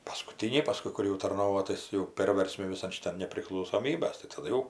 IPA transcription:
pɐskʊˈtʲiːnʲɛɪ pɐˈskʊɪ kʊr jɛʊ tɐrˈnoːʋoː ˈtɐɪs jɛʊ ˈpʲeːrʲʋʲɛrʲsʲmʲɪ ʋʲɪˈsɐn ʃʲɪˈtɐn nʲɛpʲrʲɪklˠɐʊsoːˈmʲiːbɐs tɐɪ tɐˈdʊ jɛʊ

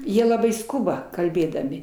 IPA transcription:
ˈjiɛ lˠɐˈbɐɪ ˈskʊbɐ kɐlʲˈbʲeːdɐmʲɪ

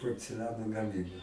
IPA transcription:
poːrʲt͡sʲɛˈlʲæːnoː ɡɐˈmʲiːboːj

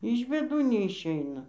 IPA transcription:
ɪʃ bʲeːˈduː nʲɛɪʃʲˈɛɪnɐ

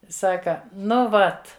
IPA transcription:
ˈsɑːkɐ ˈnʊ ˈʋɐt

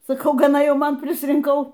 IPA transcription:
sɐˈkɐʊ ɡɐˈnɐ ˈjɛʊ ˈmɐn pʲrʲɪsʲrʲɪŋˈkɐʊ

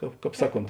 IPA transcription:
ˈkɑːp ˈkɑːp ˈsɑːˌkoːnt

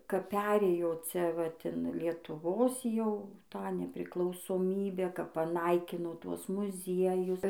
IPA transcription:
kɐp ˈpʲæːrʲeːjoː ˈt͡sʲɛ ʋɐt ɪn lʲiɛtʊˈʋoːs ˈjɛʊ ˈtɑː nʲɛpʲrʲɪklˠɐʊsoːˈmʲiːbʲæː kɐp pɐˈnɐɪkʲɪnoː ˈtuɔs mʊˈzʲiɛjʊs

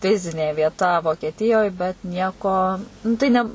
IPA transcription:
ˈfʲɪzʲɪnʲeː ʋʲiɛˈtɐ ʋoːkʲiɛˈtʲɪjoːj bʲɛt ˈnʲiɛkoː nʊ ˈtɐɪ nʲɛ

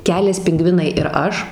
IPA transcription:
ˈkʲæːlʲɛs pʲɪŋˈɡʋʲɪnɐɪ ɪr ˈɐʃ

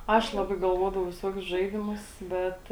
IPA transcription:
ˈɐʃ ˈlˠɑːbɐɪ ɡɐlˠˈʋoːdɐʋɐʊ ʋʲɪˈsuɔkʲʊs ˈʒɐɪdʲɪmʊs ˈbʲɛt

